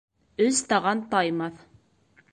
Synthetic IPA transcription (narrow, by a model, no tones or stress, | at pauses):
ɵzt̪ɑʁɑnt̪ɑjmɑθ